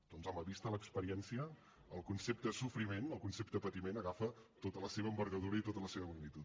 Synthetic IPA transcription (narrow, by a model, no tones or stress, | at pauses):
d̪̥ɔnzaməβist̪ələkspəɾiɛnsiə | əːlˠkunsep̚t̪sufɾimenəlˠkunsep̚t̪əəpət̪imenəɣafət̪ot̪ələseβəːmbəɾɣəðuɾəit̪ot̪ələseβəmuɡnit̪ut̪